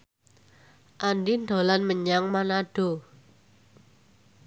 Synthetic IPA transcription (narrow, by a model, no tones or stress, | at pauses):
ʔandind̪o̤lanməɲaŋmanaɖ̥o